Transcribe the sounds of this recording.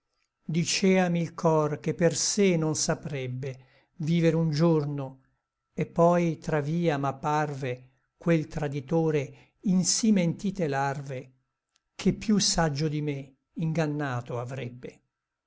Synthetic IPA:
d̪it͡ʃɛːamilkʰɔrkepːersenonsapɾɛbːe | viːveɾeund͡ʒorno | epːɔjt̪ɾaviːamapːarve | kwelt̪ɾad̪it̪oːɾe | insiment̪iːt̪elarve | kʰepːjusad͡ʒːod̪ime | iŋɡanːaːt̪oavɾɛbːe

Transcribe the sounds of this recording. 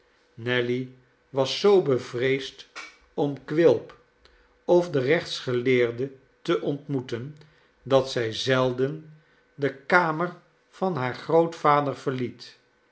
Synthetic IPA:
nɛli | ʋɑsːowbəvrejst | ɔmkʋɪlˠp | ɔfdərɛχtsχəlɪːɹdə | təʔɔntmutən | dɑtsɛjzɛlˠdən | dəkaːmər | v̥ɑnɦaːɹχrowtfaːdəɹv̥əɹlit

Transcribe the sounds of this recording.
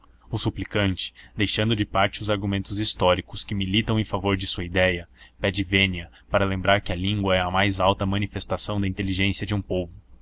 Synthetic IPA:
ʊsuplikɐ̃nt͡ʃɪ̥d̪ejʃɐ̃nd̪ʊd͡ʒɪpaɾt͡ʃɪʊzaɾɡumẽnt̪ʊzist̪ɔɾikʊskɪmilit̪ɐ̃w̃ẽfavoɾd͡ʒɪsuɐid̪ɛjɐpɛd͡ʒɪvẽniɐ | paɾɐlẽmbɾaɾkɪɐlĩŋɡwɐɛɐmajzawt̪ɐmɐ̃nifest̪asɐ̃w̃d̪ɐĩnt̪eliʒẽsiɐd͡ʒɪũpovʊ

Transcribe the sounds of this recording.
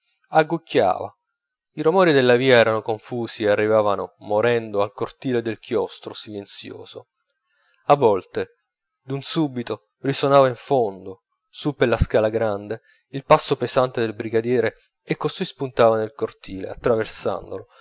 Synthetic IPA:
aɡːucʰːa̰ːva̰ | iɾomɔːɾid̪elːaviːaɛːɾanokoɱfuːsiearːivaːvanomoɾɛnd̪oalkort̪iːled̪elk̟ʰjɔst̪ɾosilent̪sjo̰ːzo | avːɔlt̪e | d̪unsubit̪o | risonaːvaiɱfond̪o | supːelaskaːlaɡɾand̪e | ilpasːopezant̪ed̪elbɾiɡad̪jɛːɾe | ekːosujspunt̪aːvanelkort̪iːlḛa̰t̪ːɾaversa̰nd̪o̰lo

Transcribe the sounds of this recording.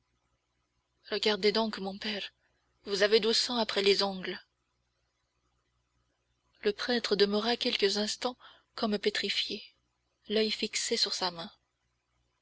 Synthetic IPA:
ʁəɡaʁd̪ed̪ɔ̃kmɔ̃pɛʁ | vuzaved̪osɑ̃apχɛlezɔ̃ɡl | ləpχɛt̪χəd̪əməʁakʲɛlkəzɛ̃st̪ɑ̃ | kɔmpet̪χifje | lœjfiksesyʁsamɛ̃

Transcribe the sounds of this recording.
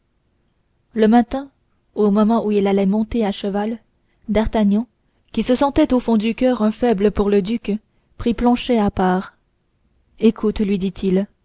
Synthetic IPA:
ləmat̪ɛ̃ | omɔmɑ̃ʔuilalɛmɔ̃t̪eaʃəval | d̪aʁt̪aɲjɑ̃ | kʲisəsɑ̃t̪ɛt̪ofɔ̃d̪ykʲœʁɛ̃fɛbləpuʁləd̪yk | pχiplɑ̃ʃɛapaːʁ | ekʰut̪lɥid̪it̪ʰil

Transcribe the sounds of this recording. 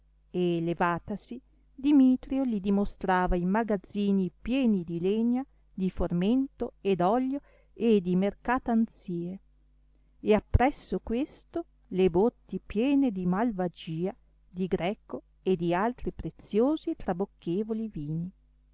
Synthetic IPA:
elevaːt̪asi | d̪imit̪ɾjolid̪imost̪ɾaːvaimaɡad̪zːiːnipjɛːnid̪ileɲa | d̪iforment̪oed̪ɔʎːo | ed̪imerkaːt̪ant̪siːe | eapːɾɛsːokwest̪o | lebot̪ːipjɛːned̪imalvad͡ʒiːa | d̪iɡɾɛko | ed̪ialt̪ɾipɾet̪sjoːzit̪ɾabokʰːeːvoliviːni

